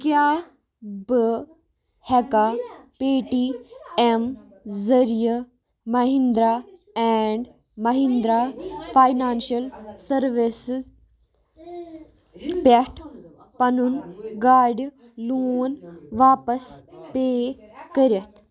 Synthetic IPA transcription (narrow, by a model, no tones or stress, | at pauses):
kjaː | bɨ | hɛkapeːʈiem | zɐɾijə | mɐɦĩnd̪ɾa | ɛːɳɖ | mɐɦĩnd̪ɾafʰaːjnaːnʃɐlsɐɾʋis | peʈʰ | pɐnunɡaːɖ | luːnʋaːpɐspeː | kəɾɐt̪ʰ